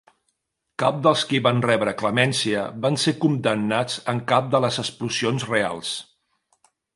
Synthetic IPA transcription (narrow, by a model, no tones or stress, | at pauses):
kap̚d̪əlˠskiβanrɛβɾəkləmɛnsiəβansekund̪ənːad͡zəŋkap̚d̪ələzəspluzionzrea̰lˠs